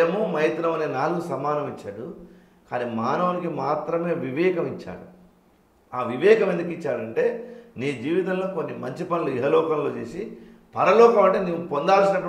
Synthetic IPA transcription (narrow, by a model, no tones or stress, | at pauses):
ɐmumɐjɐt̪nɐmɐneːnaːlusɐmaːnɐmit͡ʃːaːɽu | kaːniːmaːnɐʋɐnikimaːt̪ɾɐme̞ːʋiʋɛːkɐmit͡ʃːa̰ːɽu | aːʋiʋɛːkɐmend̪ukit͡ʃːaːɽɐɳʈe̞ːniːd͡ʒiːʋit̪ɐmloːko̞nːimɐɲt͡ʃipɐnuluiɦɐlɔːkɐnloːt͡ʃe̞ːsi | pɐɾɐlɔːkɐmɐɳʈeːniʋupo̞nd̪aːlsinɐʈː